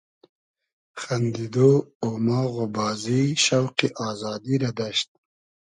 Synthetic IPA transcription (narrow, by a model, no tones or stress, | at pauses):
xand̪id̪oomaːɣobɑːziʃawqiʔɑːzɑːd̪iɾad̪aʃt̪̚